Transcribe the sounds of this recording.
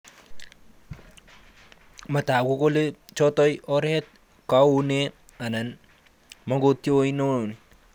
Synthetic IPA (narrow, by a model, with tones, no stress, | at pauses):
ma˨ta˨ko˦ko˦le˦t͡ʃɔ˦tɔ˦jʔɔ˦ɾɛ˦t̚ | ka˦u˦ne | a˨na˨n | ma˦ŋɡo˦tjo˦ino˦˨ni˨